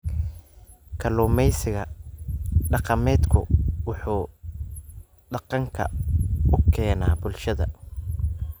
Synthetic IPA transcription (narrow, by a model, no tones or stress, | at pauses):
kʰɐluːmɛjsɪɣɐ | ɖɑqɑmɛːd̪kʰʊ̰wʊħuː | ɖɑqɑŋkʰɐ̰ʊkʰɛːnaːbʊlʃɐðɐ̰